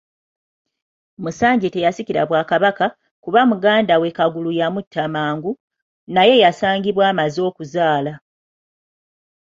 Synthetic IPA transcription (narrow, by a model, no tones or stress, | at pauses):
musaːɲɟite̞jasiciɾa̰βwaːkaβaka | kuβamuɡaːndawe̞kaɡulujamutʰːamaːŋɡu | naje̞jasaːɲɡiβwaːmazo̞ːkuzaːla